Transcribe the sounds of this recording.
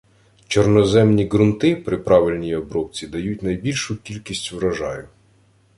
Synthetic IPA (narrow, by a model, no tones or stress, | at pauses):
t͡ʃɔrnɔzɛmnʲiɡɾʊnt̪ɪpɾɪpɾɑʋɪlʲnʲijiɔbɾɔwt͡sʲid̪ɐjutʲnɐjbʲilʲʃʊkʲilʲkʲisʲtʲʋɾɐʒɑjʊ